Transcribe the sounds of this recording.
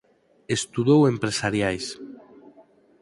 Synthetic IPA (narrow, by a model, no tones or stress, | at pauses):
est̪uðowempɾesaɾjajs